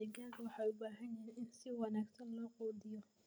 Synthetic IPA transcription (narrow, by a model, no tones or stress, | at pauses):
ɛɡaːkʰɐwɑħɑːjʊbaːɦɐnjɛːnʔɪnsɪwɑnaːɡsɐnlɔːqɔːd̪ɪjɔ